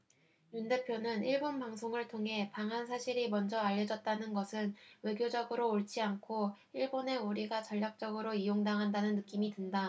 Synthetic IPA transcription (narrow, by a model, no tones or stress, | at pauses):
junde̞pʰjonɯniɭbonpaŋsʰoŋɯɭtʰoŋɦe̞paŋɦansʰaɕʰiɾimʌnd͡ʑʌaʎːʌd͡ʑʌt̚t͈anɯnɡʌsʰɯnwe̞ɡjod͡ʑʌɡɯɾoːɭt͡ɕ͈iankʰo | iɭbone̞uɾiɡat͡ɕʌʎːak̚t͡ɕ͈ʌɡɯɾoijoŋdaŋɦandanɯnːɯk͈imidwenda